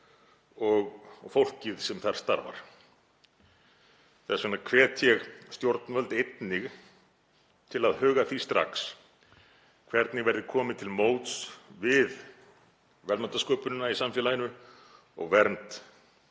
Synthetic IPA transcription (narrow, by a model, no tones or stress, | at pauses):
ɔɣfowl̥cɪðsɛmθaɾ̥st̪aɾva̰ɾ̥ | θɛsvɛnakʰvɛːt̪ʰjɛɣst̪jowɾt̪nvœlt̪ejt̪nɪɣ | t̪ʰɪlaðhœːɣaθist̪ɾa̰ks | kʰvɛɾt̪nɪvɛɾðɪkʰɔːmɪt̪ʰɪlmoːwt̪svɪð | vɛlmant̪askoːpʏnʏnaisamfjɛlajɪnʏ | ɔ̰ɣvɛɾnt̪